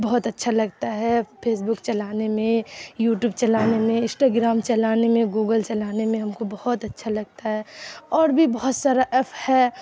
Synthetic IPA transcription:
bɔɦʊt̪ɐtːʃʰalɐɡt̪aɦɛpʰeːsbʊkt͡ʃɐlaːnemẽjuːʈjuːb̚t͡ʃɐlaːnemẽɪ̃sʈaːɡɾaːmt͡ʃɐlaːnemẽɡuːɡəlt͡ʃɐlaːnemẽɦɐmkobɐhʊt̪ɐtːʃʰalɐɡ̚t̪aɦɛɔːɾbʱibɐɦʊt̪saːɾaʔɛpʰhɛ

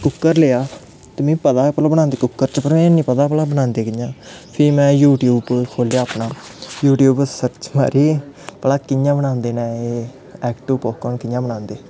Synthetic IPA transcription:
kʊkːəɾleːaː | t̪emɛ̃ːpəd̪aːpəlaːbənãːnd̪eːkʊkːəɾt͡ʃpəɾmɛ̃ːnĩːpəd̪aːpəlaːbənãːnd̪eːkɪjãːpʰɪɾmɛ̃ːjuːʈjuːbkʰoːljaːpnaːjuːʈjuːbsəɾt͡ʃma̰ːɾiːpəlaːkɪjãːbənãːnd̪eːnɛ̃ːeː | ɛːkʈuːpɔːkəɳkɪjãːbənãːnd̪eː

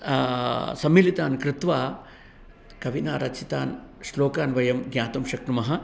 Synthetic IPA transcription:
sɐmːilit̪aːnkɾɪt̪ʋaː | kɐʋinaːɾɐt͡ʃit̪aːnsloːkaːnʋɐjɐmɡjaːt̪umʃɐkʈumɐɦɐ

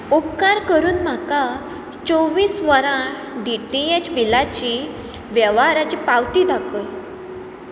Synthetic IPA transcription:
upkaɾkəɾuːnm̤aka | t͡soʋiːsʋəɾã | ɖiʈiet͡ɕbilat͡ɕi | ʋjɛʋaɾat͡ɕiːpawt̪id̪akə

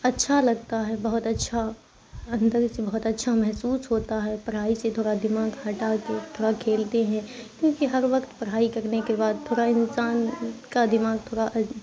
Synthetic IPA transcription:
ɐtːʃʰalɐɡ̚t̪aɦɛbɐɦʊt̪ɐtːʃʰa | ɐ̃nd̪əɾsebɐɦʊt̪ɐtːʃʰamɛɦsuːsɦoːt̪aɦɛpɐɾɦaːiset̪ʰoːɽad̪ɪmaːɡhɐʈaket̪ʰoːɽakʰeːlt̪eɦɛ̃kjõːkiɦɐɾʋɐkt̪pɐɽ̤ɦaːikɐɾnekebaːd̪̚t̪ʰoːɾaɪ̃nsaːnkad̪ɪmaːɡ̚t̪ʰoːɽaʔ

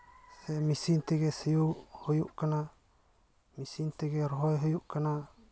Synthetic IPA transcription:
sɛmisint̪ɛɡɛsijuhojuʔkana | misint̪ɛɡɛɾɔɦɔjɦɔjuʔkana

